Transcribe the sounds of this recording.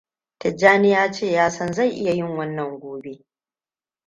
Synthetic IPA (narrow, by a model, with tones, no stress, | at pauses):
tɐ˨d͡ʒaː˦nɪ˦jaː˦t͡ʃeː˦˨jaː˦sɐ˦nza˦˨jʔɪ˦ja˨jɪ˦ŋwɐ˦nːɐ˨ŋɡʷoː˨be˦